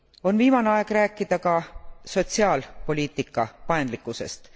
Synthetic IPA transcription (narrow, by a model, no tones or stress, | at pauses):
o̞nviːmɑneɑeɡ̥ræːkːˑid̪̥ɑkɑso̞t̪ʲsiɑːlpo̞lʲiːt̪ːˑikːˑɑpɑend̪likːˑuse̞̰st̪